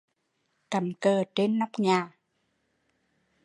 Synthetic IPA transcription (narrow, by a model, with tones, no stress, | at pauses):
ka˨˩˦mkəː˨˩t͡ɕe˧nːa˦˥wk͡p̚ɲaː˨˩